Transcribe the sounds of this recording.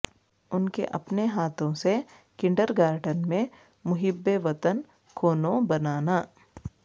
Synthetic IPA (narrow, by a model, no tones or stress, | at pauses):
ʊnkḛʔɐpneɦaːt̪ʰõse | kɪ̃ɳɖəɾɡaːɾɖənmẽ | mʊɦɪbːeʋɐt̪ən | kʰoːnõbɐnaːnaː